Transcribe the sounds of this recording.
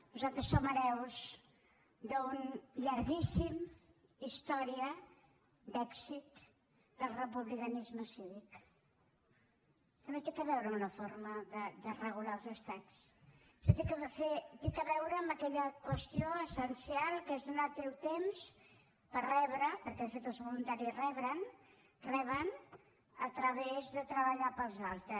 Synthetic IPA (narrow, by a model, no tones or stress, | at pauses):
nuzalˠt̪ɾəsːoməɾɛwz | d̪əunʎəɾɣisim | ist̪ɔɾiə | d̪ɛksit̪ | d̪əlˠrəp̬uβlikənizməsiβik | t̪əmet̪ekəβɛwɾəunəfoɾməðəd̪ərəɣ̞ulaəlˠzəst̪at͡s | ʒot̪ekəfet̪ekəβɛwɾəːmbəkɛʎəkwəst̪ioəsənsialˠkezðunat̪elt̪ems | pərɛβɾəpəɾkɛðəfet̪əlˠzβulunt̪aɾirɛβɾən | rɛβən | ət̪ɾəβezðət̪ɾəβəʎapəlˠzalˠt̪ɾə